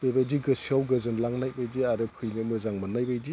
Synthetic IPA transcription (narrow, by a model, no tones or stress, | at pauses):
bebajdiɡɯsiawɡɯzɯnlaŋnajbajdiaɾɯpʰɯjnɯmɯzaŋmanajbajdi